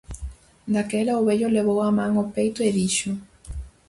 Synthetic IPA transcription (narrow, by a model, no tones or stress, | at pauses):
d̪akelaoβeʎoleβowamãŋopejt̪ʊeðiʃʊ